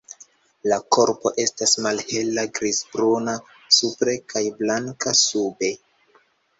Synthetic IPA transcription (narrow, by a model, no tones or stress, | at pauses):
lako̞ɾpo̞ʔe̞stasmalhe̞laɡɾizbɾuna | supɾekajblaŋkasube̞